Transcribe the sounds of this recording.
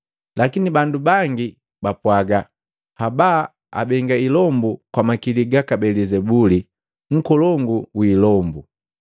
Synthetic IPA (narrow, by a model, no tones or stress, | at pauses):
lakinibandubaŋɡi | bapwaɡa | habaː | a̰bɛŋɡailɔmbukwamakiliɡakabɛlizɛbuli | ŋ̩kɔlɔŋɡuwiːlɔmbu